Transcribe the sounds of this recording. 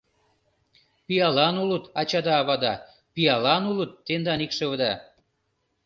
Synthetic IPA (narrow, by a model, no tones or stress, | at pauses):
pijɑlɑnulət̪ɑt͡ɕɑd̪ɑːβɑd̪ɑ | pijɑlɑnulət̪ːend̪ɑnikʃə̆βəd̪ɑ